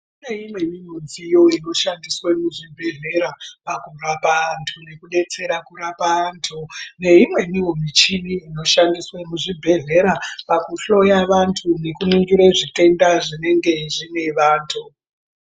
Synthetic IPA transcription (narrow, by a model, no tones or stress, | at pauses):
une̞imwe̞nimunzijo̞ino̞ʃandiswemuʐibʱe̞ɮe̞ɾapakurapaːntʰune̞kuɗe̞t͡se̞ɾakuɾapaːntʰune̞imwe̞niwomit͡ʃiniːno̞ʃandiswemuʐibʱe̞ɮe̞ɾapakuɬo̞jaʋantʰune̞kunuŋɡiɾeʐite̞ndaʐine̞ŋɡe̞ʐine̞ʋaːntʰu